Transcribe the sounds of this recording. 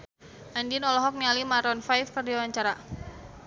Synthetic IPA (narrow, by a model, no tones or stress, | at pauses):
ʔandinɔlɔɦɔk̚nialimaɾɔnfajfkərdiawaɲt͡ʃaɾa